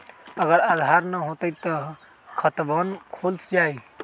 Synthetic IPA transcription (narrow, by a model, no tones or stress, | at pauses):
əɡəɾad̪ʱaɾnəɦot̪əjt̪ɔ | kʰət̪bənkʰolsd͡ʒaj